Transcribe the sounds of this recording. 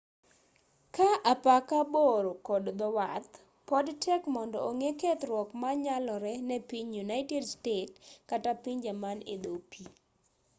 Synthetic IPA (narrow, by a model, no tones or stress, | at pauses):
kaʔapakaboɾokɔdd̪ɔwat̪ | pɔdtʰɛkmɔndɔoŋeket̪ɾwɔkmaɲalɔɾɛnɛpiɲjunaɪtɛdstetkatapiɲd͡ʒamanɪ̰d̪opi